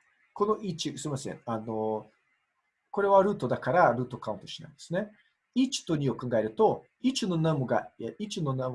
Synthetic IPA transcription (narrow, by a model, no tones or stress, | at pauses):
ko̞no̞ʔit͡ɕisɨɾimasẽ̞̰ŋano | ko̞ɾe̞β̞aɾɯ̟ːt̪o̞d̪akaɾaɾɯ̟ːt̪o̞kaɯ̃nt̪oɕina̰ĩnd̪e̞sɨne̞ | it͡ɕi̥t̪o̞ɲ̟io̞kãŋɡaeɾɯ̟t̪o̞ | it͡ɕino̞namoɡa̰eʔit͡ɕino̞nam